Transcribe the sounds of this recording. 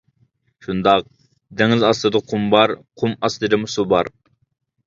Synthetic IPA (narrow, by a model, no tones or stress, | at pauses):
ʃund̪ɑq̚ | d̪ɛŋɪlzɑslˠɨd̪ɨqʰumbɑɾqʰumɑslˠɨd̪ɨmusubɑɾ